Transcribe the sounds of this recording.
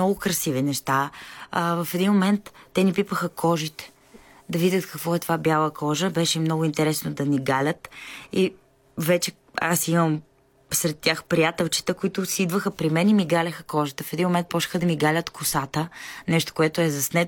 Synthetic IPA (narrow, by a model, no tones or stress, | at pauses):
nɔɡʊkɾɐsivinɛʃt̪a | vɐfɛd̪inmomɛnt̪ːɛnipipəxəkʰɔʒit̪ɛ̥ | d̪ɐvidʲət̪kɐkvɔɛt̪ovabjalˠəkʰɔʒəbɛʃɛimnɔɡʊint̪ɛɾɛsnod̪ɐniɡalʲət̪i | vɛt͡ʃɛ | asiməm | sɾɛt̪ːjaxpɾijat̪ɛlˠt͡ʃi̥t̪əkoit̪ʊsiid̪vəxəpɾimɛnimiɡalʲəxəkɔʒit̪əfɛd̪inmomɛnt̪̚pɔʃə̥xəd̪ɐmiɡalʲət̪kʊsat̪ənɛʃt̪o̥koɛt̪oɛzɐsnɛ